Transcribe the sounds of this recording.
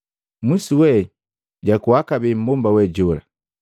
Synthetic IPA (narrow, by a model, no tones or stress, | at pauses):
misiwɛ | ɟakuakabɛm̩bɔmbawɛd͡ʒɔla̰